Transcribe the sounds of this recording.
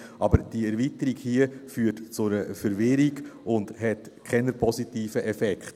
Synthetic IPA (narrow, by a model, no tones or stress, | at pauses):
ʔɑbəɾd̥iɛɾvitəɾiɡhiəfyːtt͡sʊɾəfəɾvɪɾiɡʊnd̥hɛtkʰχɛnəɾpʰɔsitiːfəʔɛfɛkχt